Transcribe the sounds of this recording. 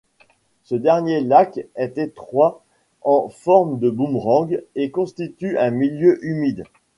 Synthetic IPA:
səd̪ɛʁnjelakɛt̪et̪χwa | ɑ̃fɔʁmd̪əbũmʁɑ̃ɡekɔ̃st̪it̪yʔɛ̃miljøʔymid̪

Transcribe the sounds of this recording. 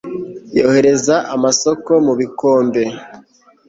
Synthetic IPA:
jo̞ːhe̞ɾe̞zaʔamaso̞ko̞muβiko̞ːmbe̞

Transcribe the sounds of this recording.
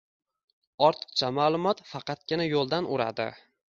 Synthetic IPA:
ɒɾt̪ʰɨ̥qt͡ʃʰamaːlˠʊmɒt̪fɑqʰɑt̪̚ɡʲɪnajolˠd̪anʊɾa̰d̪ɪ̰

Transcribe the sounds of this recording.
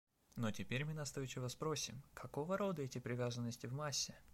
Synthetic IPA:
notʲɪpʲeɾʲmɨnɐst̪ojɪt͡ɕːɪvɐspɾo̞sʲɪmkʰɐko̞vəɾo̞d̪əɛtʲɪpɾʲɪvʲazənːəsʲtʲɪvmasʲːɪ

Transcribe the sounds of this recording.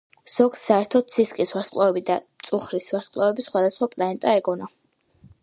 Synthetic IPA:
z̥ɔɡssaɛɾt̪ʰɔd̪̚sʰiskʼiswasqʼlˠavɛbid̪at̪sʼuχɾiswasqʼlˠavɛbisχwad̪asχwapʼlɛɛnt̪ʼaɛɡɔna

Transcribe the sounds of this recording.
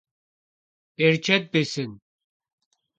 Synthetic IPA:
ɛɾt͡ʃʰɛt̪̚bisin

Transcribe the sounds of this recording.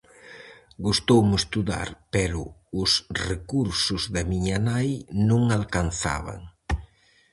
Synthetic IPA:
ɡust̪owmʊest̪uða̰ɾpɛɾʊʊsrekuɾsʊzðamiɲanajnũŋalkan̟θa̰βa̰ŋ

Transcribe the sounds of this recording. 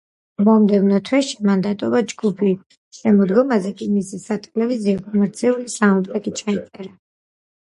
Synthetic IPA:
mɔmd̪ɛvnɔt̪ʰwɛʃimand̪at̪ʼɔbad͡ʒɡupʰi | ʃɛmɔd̪ɡɔmazɛkʼimisisat̪ʼɛlɛviziɔkʼɔmɛɾt̪sʰiulisamɔp̪ɾɛkʼit͡ʃʰait̪sʼɛɾa

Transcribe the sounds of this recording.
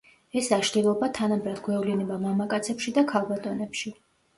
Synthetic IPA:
ɛsaʃd̪ɛlˠɔbat̪ʰanambɾad̪ɡwɛvlinɛbamamakʼat̪sʰɛpʃid̪akʰalˠbat̪ʼɔnɛpʃi

